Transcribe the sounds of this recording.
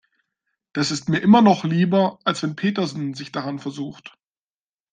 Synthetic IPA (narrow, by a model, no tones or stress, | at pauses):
d̥asɪstmiːɐʔɪmɐnɔχliːbɐalsv̥ɛnpʰeːtɐzn̩zɪçd̥aʁanfɛɐzuːxt